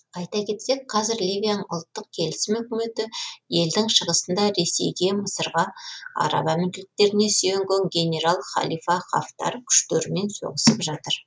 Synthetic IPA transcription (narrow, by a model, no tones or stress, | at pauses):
ɑjt̪ɑkʲe̞t̪se̞k̚qʰɑzɪɾlivʲijanəŋʊ̰lˠt̪ːəq̚kʲʰe̞lɪsɪmɵkʲɪme̞t̪ɪje̞ld̪ɪŋʃəʁəsənd̪ɑɾe̞se̞jɡʲe̞məsəɾʁɑɑ̰ɾɑ̰bɑmɪnd̪ʲlɪk̚t̪e̞ɾɪne̞sijeŋɡʲeŋɡʲe̞nʲe̞ɾalˠχɑ̰lˠijfɑχa̰ft̪ɑ̰ɾəkʲʰʏ̥ʃt̪eɾɪme̞nso̞̰ʁəsəpʒɑt̪əɾ